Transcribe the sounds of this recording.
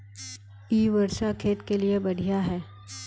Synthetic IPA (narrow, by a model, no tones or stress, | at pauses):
iːʋɐɾʃakʰeːt̪keliebɐɽ̤ʱijaɦɛː